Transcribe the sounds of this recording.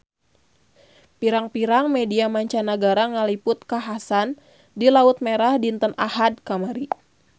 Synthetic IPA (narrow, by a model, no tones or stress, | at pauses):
piɾaŋpiɾaŋmediamaɲt͡ʃanaɡaɾaŋalipʊt̪̚kaɦasan | dilaʊt̪̚meɾahdint̪ənahad̚kamaɾi